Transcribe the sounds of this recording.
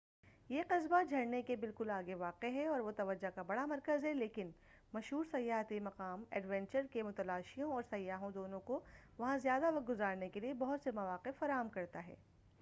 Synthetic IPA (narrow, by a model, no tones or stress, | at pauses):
jeqɐsbad͡ʒʱɐɽnekebɪlkʊlaːɡeʋaːqeɦɛɔːɾʋot̪ɐʋɐd͡ʒakabɐɽamɐɾkəzɦɛleːkɪn | mɐʃɦuːɾsɐjːaːɦt̪imɐqaːmɛ̰ːɖʋɛ̃nt͡ʃəɾkemʊt̪ɐlaːʃijõɔːɾsɐjːaːɦõd̪oːnõkoʋɐɦãzjaːd̪aʋɐq̚ɡʊzaːɾnekeliebɐɦʊt̪semɐʋaːqɪfːɐɾaːɦəmkɐɾt̪aɦɛ̰ː